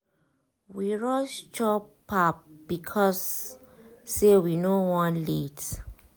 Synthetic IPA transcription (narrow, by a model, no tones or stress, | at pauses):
wiɹɔst͡ʃɔp | ap̚b̥ikʰɔsː | ewinowɔ̃nlit